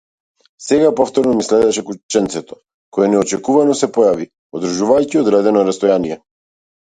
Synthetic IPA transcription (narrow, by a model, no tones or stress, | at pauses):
sɛɡapɔft̪ɔɾnɔmislɛd̪ɛʃɛkut͡ʃɛnt̪sɛt̪ɔ̥ | kɔjɛnɛɔt͡ʃɛkuvanɔsɛpɔjavi | ɔd̪ɾ̩ʒuvajciɔd̪ɾɛd̪ɛnɔɾast̪ɔjanijɛ